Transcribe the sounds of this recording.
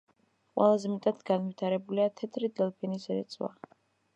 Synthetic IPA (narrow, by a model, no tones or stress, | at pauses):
qʼwɛ̰lˠazɛmɛt̪ʼad̪̥ɡanvit̪ʰaɾɛbuliat̪ʰɛt̪ʰɾid̪ɛlˠpʰɛnisɾɛ̰t̪sʼwa̰